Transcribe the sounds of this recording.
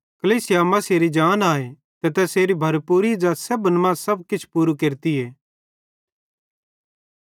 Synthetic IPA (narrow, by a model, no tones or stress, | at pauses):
kɐliːsɪjamɐ̃seːɾid͡ʒaːnaːe | t̪ɛt̪ɛseːɾibʱɐɾpuːɾid͡ʒasɐbənmãsɐb̚kɪt͡ʃʰpuːɾukeːɾt̪ieː